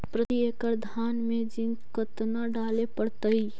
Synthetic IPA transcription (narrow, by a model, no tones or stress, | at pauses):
pɾət̪iekəɾd̪ʱanmed͡ʒin | kət̪naɖalepəɽt̪əj